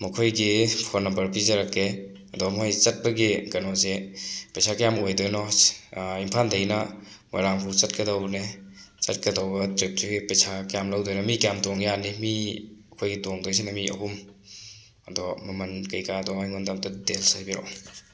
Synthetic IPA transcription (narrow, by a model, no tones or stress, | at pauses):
mɐkʰojɡipʰɔɾnɐmbɐɾpizaɾakːe | ɐdɔmojt͡ʃɐt̚bɐɡiɡɐnɔzepejsʰakjamojdojnɔ | impʰandɐjnɐ | mojɾamkʰut͡ʃɐt̚kɐdawnet͡ʃɐt̚kɐdawbɐtɾep̚tuɡipejsʰakjamlawdojnɔmikjamtɔŋjanimiɐkʰojɡitɔŋdas̬inamiɐ̰ɦum | ɐdɔmɐmɐnkɐjkadɔmajŋɔndamtadelsajbiɾɔ̰